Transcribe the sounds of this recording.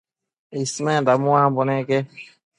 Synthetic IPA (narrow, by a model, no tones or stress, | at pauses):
esmɛ̃damuãbɔnɛɡɛ